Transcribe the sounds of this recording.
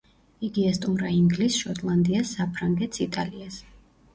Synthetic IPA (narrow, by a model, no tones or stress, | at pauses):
iɡiɛst̪ʼumɾaiŋɡlisʃɔt̪ʼlˠand̪iasːapʰɾaŋɡɛt̪ʰsit̪ʼalias